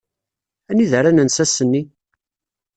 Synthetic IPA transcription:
æniðəɾænənsæsənːi

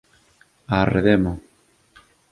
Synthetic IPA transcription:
arḛðemo

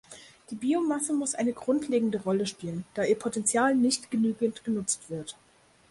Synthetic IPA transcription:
d̥iːbiːomasəmʊsʔaɪnəɡʁʊntʰleːɡŋ̩dəʁɔləʃpiːlənd̥aːiːɐpʰotɛnt͡sjaːlnɪçtɡ̥ənyːɡəntɡ̥ənʊt͡stv̥ɪɐt

